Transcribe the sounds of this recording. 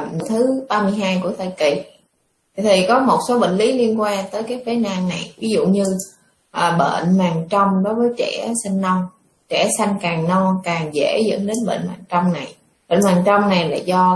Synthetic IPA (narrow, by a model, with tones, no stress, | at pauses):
t̪ʰɨ˨˦ɓaː˧mɨ˧əjɦaː˧jku˧˩ət̪ʰəː˨˩kḭ˧˨ | i˨˩t̪ʰi˨˩kɔ˨˦mo˨˩t̚so˨˦ɓḛ˧˨ŋ̟li˨˦li˧ənkwaː˧ŋt̪əː˨˦jkaː˨˦jfe˨˦naː˧ŋna˨˩jvi˨˦zṵ˧˨ɲɨ˧ | ʔəː˨˩ɓḛ˧˨nmaː˨˩ŋt͡ɕɔ˧wŋ͡mɗo˨˦jvəː˨˦jt͡ɕɛ˧˩sa˧ŋ̟ːɔ˧wŋ͡m | t͡ɕɛ˧˩sa˧jŋkaː˨˩ŋnɔ˧kaː˨˩ŋzḛ˧˩zə̰˧˥nɗe˨˦nɓḛ˧˨nmaː˨˩ŋt͡ɕɔ˧wŋ͡mna˨˩j | ɓḛ˧˨nmaː˨˩ŋt͡ɕɔ˧wŋ͡mna˨˩jla̰ː˨˩zɔ˧